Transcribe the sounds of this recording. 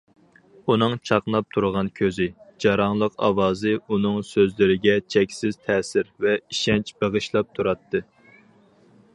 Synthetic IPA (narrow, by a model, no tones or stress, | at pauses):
unɨŋt͡ʃʰɑqnˠɑp̚t̪ʰuɾʁɑnkʲʰøzɪd͡ʒɑɾɑŋlˠəqɑ̰wɑːzɨunɨŋsøzlɪɾɪɡʲɛt͡ʃʰɛkʲsɪz̥t̪ʰɛːsɪɾvɛiʃɛnt͡ʃbeʁɨʃlˠɑp̚t̪ʰuɾɑt̪ʰːɨ